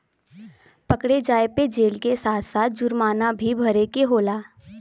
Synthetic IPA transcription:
pəkɽed͡ʒaːeped͡ʒeːlkesaːt̪ʰsaːt̪̚d͡ʒʊɾmaːnabʱibʱɐɾekeɦoːlaː

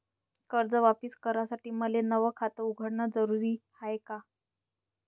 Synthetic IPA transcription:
kəɾd͡zəʋapiskəɾasaʈiːməlenəʋəkʰat̪əuɡʱəɽɳad͡zəɾuɾiːhajeka

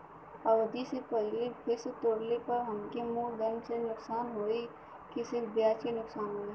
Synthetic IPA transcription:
ɐʋd̪isepɛɦlebɪst̪oːɽlepɐɾɦɐmkemũːd̪ɐnmsenʊksaːnɦoːi | kisɪbjaːt͡ʃinʊksaːnɦoːe

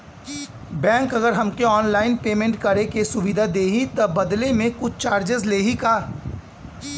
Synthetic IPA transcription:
bɛ̃ːŋkɐɡəɾɦɐmkeɔːnlaːɪnpeːmẽɳʈkɐɾekesʊʋid̪ʱad̪eːɦit̪ɐbɐd̪lemẽkʊt͡ʃʰt͡ʃaːɾd͡ʒɪzleːɦikaː

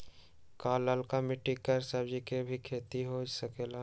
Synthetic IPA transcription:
kaːlːəlkamɪʈːikəɾsəbd͡ʒikebʱikʰeːt̪iɦod͡ʒsəkeːla

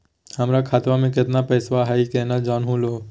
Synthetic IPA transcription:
həmɾakʰaːt̪ʋamẽk̬ɪt̪napɛːsʋaɦaikenad͡ʒaːnɦũloː

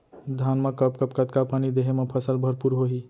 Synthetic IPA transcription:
d̪ʱanmekəp̚kəpkət̪̚kapanid̪eɦemepʰəsəlbʱəɾpuɾɦoɦi

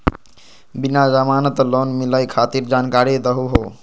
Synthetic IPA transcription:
binad͡ʒamanət̪lonmiləjkʰat̪iɾd͡ʒankaɾid̪əɦuɦo

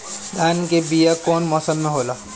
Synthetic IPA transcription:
d̪ʱaːnkebijakɔːnmɔːsəmːẽɦoːla

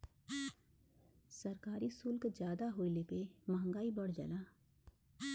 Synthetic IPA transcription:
sɐɾkaːɾisʊlkd͡ʒjaːd̪aɦoːilepemɐɦə̃ŋɡaːibɐɽ̤d͡ʒɐ̰laː

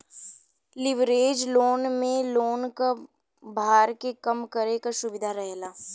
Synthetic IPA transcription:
lɪʋɾeːd͡ʒloːnmẽloːnka | bʱaːɾkekɐmkɐɾekasʊbɪd̪ʱaɾɛɦlaː

